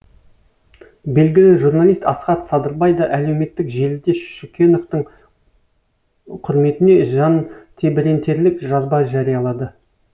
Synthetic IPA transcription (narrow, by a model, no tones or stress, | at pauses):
be̞lɡʲɪlɪʒuɾnɑlʲˠijst̪ɑsqɑt̪sɑd̪əɾbɑjd̪ɑʔæle̞wme̞t̪ːɪkʒe̞lɪd̪e̞sʃukʲe̞no̞ft̪əɴ | qʰʊɾme̞t̪ɪne̞ʒɑnt̪ʰe̞bɪɾe̞nt̪ʰe̞ɾlɪkʒɑzbɑʒɑɾijɑlˠɑd̪ə